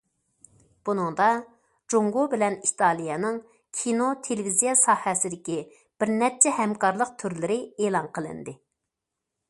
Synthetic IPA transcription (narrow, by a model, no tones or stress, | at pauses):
b̥unɨŋd̪ɑ | d͡ʒoŋɡobɪlɛnit̪ʰɑlˠijɛnɨŋ | kʲʰinot̪ʰelɪvizijɛsɑːhɛsɪd̪ɪkʲi | b̥ɪɾnɛp̚t͡ʃʰɛhɛmkʰɑɾlˠəq̚t̪ʰyɾlɪɾɪeːlˠɑnqʰəlˠɨ̰nd̪ɨ